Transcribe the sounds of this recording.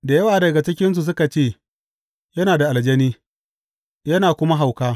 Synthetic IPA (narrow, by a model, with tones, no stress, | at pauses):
da˨jɐ˦waː˨dɐ˨ɡa˨t͡ʃɪ˦kʲɪ˦ns̬u˨s̬ʊ˦ka˨t͡ʃeː˦˨ | jɐ˦naː˨da˨ʔa˨ld͡ʒɐ˦niː˦ | jɐ˦naː˨kʷʊ˦ma˦ɦa˨wkaː˦